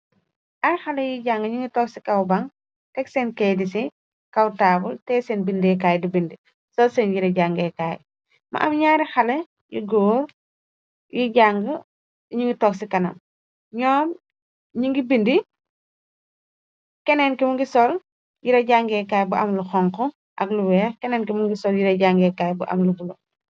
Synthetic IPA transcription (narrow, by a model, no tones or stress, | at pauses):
ɐɾixalɛjiɟaŋɡəɲuŋɡitɔksikɐwbaŋ | tɛksɛnkɛdisi | kɐwtaːbultɛsɛnbindɛk̬aːjdibindi | sɔlsɛnjiɾɐɟaŋɡɛkaːj̰ | mɐ̰ʔɐmɲaːɾixale | jḭɡɔːɾ | jiɟaŋɡə | ɲiŋɡitɔːksikɐnɐ̰m | ɲɔːm | ɲiŋɡibindi | kɛnɛnkimuŋɡisɔl | jiɾɐɟaːŋɡɛkaːjbuʔɐmluxɔŋkɔ | ʔɐ̰ɡluwɛːxkɛnɛnkimuŋɡisɔljiɾɐɟaŋɡɛkajbuʔɐ̰mlubulu